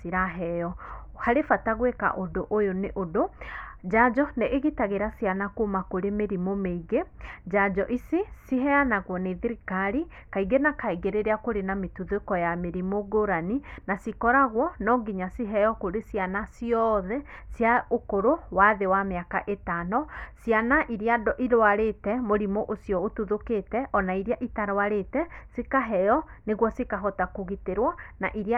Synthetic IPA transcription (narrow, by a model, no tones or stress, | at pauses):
siɾaɦɛjɔ | haɾefataɣweka̰ʔodoʔojoneʔodod͡ʑad͡ʒɔneʔːɣitaɣeɾasijanakomakoɾemeɾimomeiɣed͡ʒad͡ʒɔʔisisiɦɛanaɣwɔneðiɾikaɾi | kaiɡenakaiɣeɾeɾeakoɾenametuðekɔjameɾimoɡoɾaninasikɔɾaɣwɔnɔɡiɲasiɦɛjɔkoɾesianasiɔðɛsjaokoɾowaðewameaka̰ʔetanɔsianaʔiɾjadɔʔiɾoaɾetɛmoɾimoʔosjɔotuðoketɛʔɔnaiɾjaʔitaɾowaɾetɛsikaɦɛjɔneɣwɔsikaɦɔtakoɣiteɾwanaʔiɾia